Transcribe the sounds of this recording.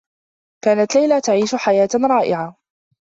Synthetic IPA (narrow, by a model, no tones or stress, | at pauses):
kaːnat̪lajlat̪aʕiːʃʊħajaːt̪ɾˤɑːʔɪʕa